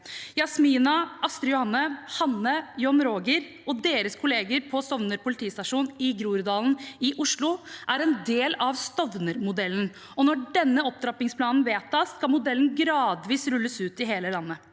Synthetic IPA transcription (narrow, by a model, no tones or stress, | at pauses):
jɑsmiːnɑɑst̪ɾəjʊhɑnːəhɑnːəjɔnɾoːɡəɾ | ɔd̪eːɾəskʰʊleːɡəɾpʰɔst̪ɔʋnəɾpʊlɪt̪ʰiːst̪ɑʂuːnɪɡɾuːɾd̪ɑːln̩ɪʔʊʂlʊʔæɾɛnd̪eːlɑʋst̪ɔʋnəɾmʊd̪ɛlːn̩ | ɔnɔɖɛnːəɔp̚d̪ɾɑpɪŋspʰlɑːnn̩ʋeːt̪ʰɑːskɑmʊd̪ɛln̩ɡɾɑːd̪ʋiːsɾʉlːəsʉːt̪ɪɦeːləlɑnːə